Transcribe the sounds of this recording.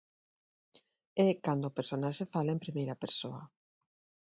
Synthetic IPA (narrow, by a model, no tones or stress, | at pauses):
ɛkand̪oʊːpeɾsonaʃefalempɾimejɾɐpeɾsoɐ